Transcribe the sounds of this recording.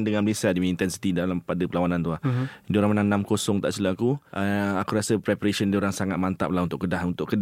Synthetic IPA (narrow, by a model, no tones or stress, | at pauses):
ndəŋãnmbəlesadiiint̪ɛnsi̥t̪idalampadapəlawanãnt̪uahdioɾaŋmənaŋnãmkosɔŋt̪aʔsilaakuʔəakuɾasəpɾɛpaɾesəndioɾaŋsaŋat̪̚mant̪a̰p̚lahunt̪ʊʔkːədaɦunt̪ʊʔkəd